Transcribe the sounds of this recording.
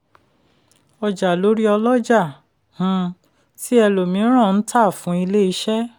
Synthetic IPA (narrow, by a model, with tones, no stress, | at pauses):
ɔ˧d͡ʒa˨lo˨˦ɾi˦ɔ˧lɔ˦d͡ʒa˦˨ | h̩˨˧ | si˦ɛ˧lo˨mĩ˨˧˦ɾ̃ã˦˨n̩˦tʰa˦˨fũ˨˦i˧le˦i˧˦ʃɛ˦